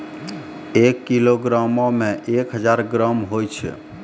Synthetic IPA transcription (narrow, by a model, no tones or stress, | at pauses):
ekːiloɡɾamõmẽʔekɦəd͡ʒaɾɡɾəmɦojt͡ʃʰɛ̰